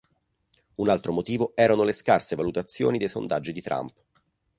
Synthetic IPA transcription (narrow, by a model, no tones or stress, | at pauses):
unalt̪ɾomot̪iːvoɛːɾanoleskarsevalut̪at̪sːjo̰ːnid̪ejso̰nd̪ad͡ʒːid̪it̪ɾa̰mp